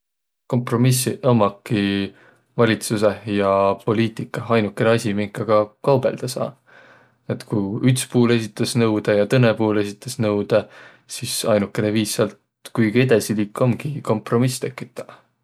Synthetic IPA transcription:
ko̞mpro̞misiʔɤmːɑkːi | vɑlʲit̪suse̞jɑpo̞liːt̪ˑikːˑɑɑjnukːˑeneɑsʲimiŋkːˑɑɡ̥ɑkɑwb̥e̞̰ld̪̥ɑsɑ̰ː | et̪kujykspuːle̞s̬ʲit̪ːˑɑsnɤ̞wd̪̥ejɑt̪ɤnepuːle̞sʲit̪ːˑɑsnɤwd̪̥e | sisɑjnukːˑe̞neviːsːeɑlt̪ | kujɡ̥ied̪̥ɑsiliːkːˑo̞mɡ̥iko̞mpro̞mist̪e̞kːˑit̪ːˑɑ̥

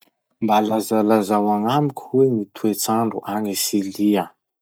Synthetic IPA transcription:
mbalazalazawaŋamikʲwenit̪ʰuet͡saɳɖ͡ʐuʔaŋisilia

